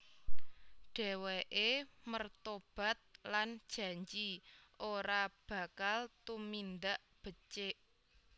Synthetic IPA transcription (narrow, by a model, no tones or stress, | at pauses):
ɖ̥ɛ̤weʔemərt̪ob̥a̤t̪̚lan̥ʒ̥ä̤ɲd͡ʒiʔoɾab̥a̤kalt̪umind̪aʔ | b̥ə̤t͡ʃeʔ